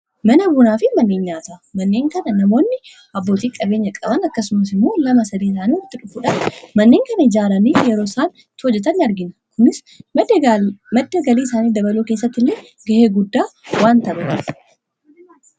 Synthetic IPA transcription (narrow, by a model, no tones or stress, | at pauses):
mɐnɐbuːnaːfɪmɐnːe̞ːɲːaːt̪amɐnːe̞ːŋkɐnɐnɐmo̞ːnːɪ | ʔɐbːo̞ːt̪iːkʼɐbe̞ːɲːɐkʼɐbɐnɐkːɐsʊmɐs̬ɪmːoːlɐmɐsɐd̪iːs̬aːniːwɔt̪ːɪᶑʊfːuːᶑanmɐnːe̞ːŋkɐnɐɪd͡ʒaːɾɐniːjɛɾoːɪsaːn | t̪ɪhɔd͡ʒːɛt̪ɐnːɪɐɾɡɪnkʊnɪs | mɐd̪ːɐɡɐliːɪsaːniːd̪ɐbɐluːke̞ːs̬ːɐt̪ːɪlːeː | ɡɐheːɡʊd̪ːaːwaːnt̪ɐbɐt̪ɪ